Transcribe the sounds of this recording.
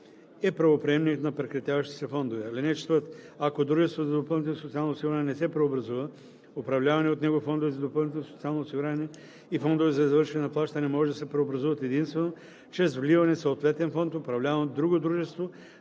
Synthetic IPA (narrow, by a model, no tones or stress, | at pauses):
ɛpɾɐvopɾɛɛmnikt̪nɐpɾɛkɾɐt̪javɐʃt̪i̥sɛfɔnd̪ovɛalinɛt͡ʃt̪vət̪akod̪ɾuʒɛst̪vozɐd̪opɤlˠnit̪nsot̪sialˠnosiɡʊɾanɛnɛsɛpɾɛobɾɐzuvə | opɾɐvlʲavɐnɛot̪nɛɡoifɔnd̪ovɛzɐd̪opɤlˠnit̪ɛnsot̪sialˠnosiɡʊɾanɛ | ifɔnd̪ovɛzɐizvɤɾʃɛnɛnɐplˠaʃt̪ɐnɛmɔʒɛd̪ɐsɛpɾɛobɾɐzuvɐt̪ɛd̪inst̪vɛno | t͡ʃɛsvlivɐnɛsoot̪vɛt̪ɛnfɔnt̪opɾɐvlʲavɐnd̪ɾuɡod̪ɾuʒɛst̪vo